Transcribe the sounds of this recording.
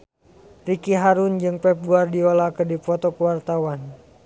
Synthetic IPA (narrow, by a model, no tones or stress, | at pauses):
rikiɦaɾund͡ʒɨŋpɛp̚buardiɔlakɨrdipɔt̪ɔkuwart̪awan